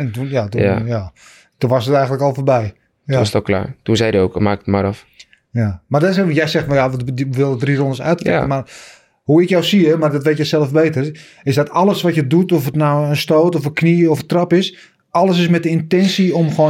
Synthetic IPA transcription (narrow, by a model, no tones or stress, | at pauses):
ɛntunjatuja | tunʋasətɛjɣəntləkɔlˠforbɛj | stɔkla̰ːtunsɛjdəoːkmaːkətma̰ɾɔf | jamardɔsjɛjsɛxmɔlˠjaʋɪlˠədrirɔndəsœ̰ɥtpɛkənmar | huɪkjɔwsiəmardɔtʋeːtjɛsɛlˠəfbeːtər | ɪsdɔtɔlˠəsʋatjədutɔfətnawənstoːtɔfənkniɔfətrɑpɪs | ɔlˠəsɪsmɛt̚dəɪntɛnsiomxoː